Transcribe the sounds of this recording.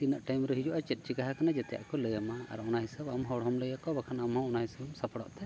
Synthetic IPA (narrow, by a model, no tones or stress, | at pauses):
t̪inaʔʈajmɾɛɦid͡ʒɔʔat͡ʃɛt̪̚ˀt͡ʃiɡaɦakanad͡ʒɛt̪ɛja̰ʔkɔləjamaa̰ɾɔnaɦisabamɦɔɽɦɔmləjakɔbakʰanamɦɔ̃ɔnaɦisabɔmsapaɽɔ̰ʔt̪ɛ